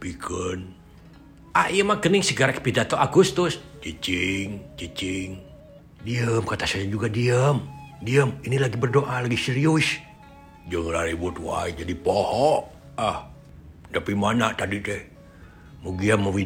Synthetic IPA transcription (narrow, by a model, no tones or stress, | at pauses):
pikʰən | ahijəmakəniŋsəɡaɾakpidat̪oʔaɡust̪ʊst͡ʃit͡ʃiŋt͡ʃit͡ʃiŋ | diəmkat̪asajad͡ʒuɡadiəmdiəminilaɡibərdoʔalaɡisiɾius | d͡ʒəŋlaɾibʊt̪̚wa̰id͡ʒadipɔhɔʔ | ah | t̪apimanaʔt̪adit̪ɛh | muɡiaməwi